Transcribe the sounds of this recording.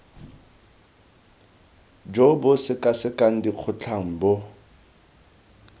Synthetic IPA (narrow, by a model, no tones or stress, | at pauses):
d͡ʒobʊsɪkʼasɪkʼaŋ̩diq͡χʰʊt͡ɬʰaŋ̩bʊ